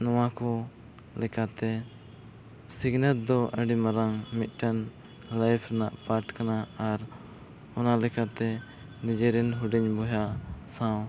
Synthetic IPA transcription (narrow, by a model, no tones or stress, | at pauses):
nɔwakɔ | lɛkat̪ɛ | siɡnɛl̚d̪ɔʔəɖimaɾaŋmit̪̚ˀʈan | lajpʰɾɛnaʔpaɾʈkanaaɾ | ɔnalɛkat̪ɛ | nid͡ʒɛɾɛnɦuɖiɲbɔjasãw̃